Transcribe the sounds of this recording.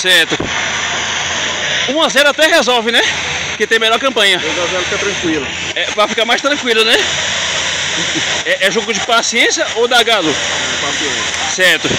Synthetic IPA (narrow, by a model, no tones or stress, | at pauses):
sɛɾt̪ʊ | ũazɛɾʊat̪ɛɦezɔwvɪnɛ | kɪt̪ẽj̃meʎɔɾkɐ̃pɐ̃ɲɐzazɛɾʊfik̪at̪ɾɐ̃kwilʊ | ɛpɾɐfikaɾmajst̪ɾɐ̃kwilʊnɛ | ɛʔɛʒoɡʊd͡ʒɪpasiẽsjɐʔowd̪aɡalʊɛpaɾt̪iosɛɾt̪ʊ